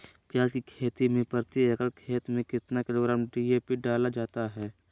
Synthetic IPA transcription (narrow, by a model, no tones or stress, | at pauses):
pjaːzkikʰeːt̪imẽpəɾt̪iekəlkʰeːt̪mẽkɪt̪nakɪɾoːɡɾaːmɖieːpiɖaːlad͡ʒaːt̪aɦɛː